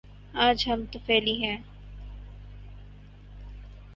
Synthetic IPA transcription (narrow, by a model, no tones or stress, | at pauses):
ãːd͡ʒɦɐmt̪ofɛːliɦɛ̃ː